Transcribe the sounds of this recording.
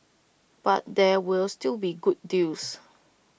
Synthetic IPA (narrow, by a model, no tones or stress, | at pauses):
b̥at̚dɛwilstilbiɡut̚dis